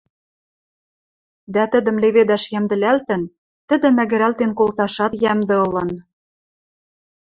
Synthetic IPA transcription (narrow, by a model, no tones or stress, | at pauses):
d̪æt̪ɘ̆d̪ə̆mleβed̪æʃjæmd̪ɘ̆lælt̪ɘ̆n | t̪ɘ̆d̪ɘ̆mæɣɘ̆ɾælt̪enkolt̪ɑʃɑt̪jæmd̪ɤ̆ɤ̆lɤ̆n